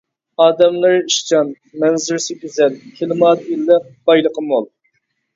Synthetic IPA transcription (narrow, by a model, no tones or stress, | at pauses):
ɑːd̪ɛmlˠɨɾiʃt͡ʃʰɑn | mɛnzɪɾsɪkʲyzɛlkʲʰelɨmɑːd̪ilːəq̚b̥ɑjlˠəqʰəmolˠ